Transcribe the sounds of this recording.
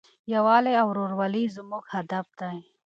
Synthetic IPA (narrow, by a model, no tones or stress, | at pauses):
jawɑːleawɾoɾwalizmuɡhad̪ab̚d̪aj